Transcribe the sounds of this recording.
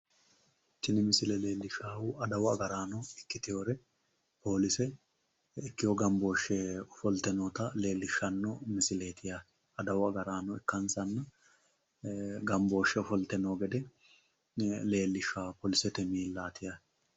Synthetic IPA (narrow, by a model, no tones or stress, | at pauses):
t̪ːɪnɪmɪsɪlɛleːlːɪʃaːwʊʔɐd̪ɐwɔɐɡɐɾaːnɔɪkːɪt̪ɪjoːɾɛ | po̞ːlɪsɛ | ɪkːɪjɔɡɐmbo̞ːʃːɛɔfɔlt̪ɛnɔːt̪ɐle̞ːlːɪʃːɐnːɔmɪsɪle̞ːt̪ɪja | ɐd̪ɐwɐɡɐɾaːnɔɪkːɐnsɐnːɐ | ɡɐmbo̞ːʃɛɔfɔlt̪ɛnoːɡɛd̪ɛ | le̞ːlːɪʃaːpoːlɪsɛt̪ɛmiːlaːt̪ɪja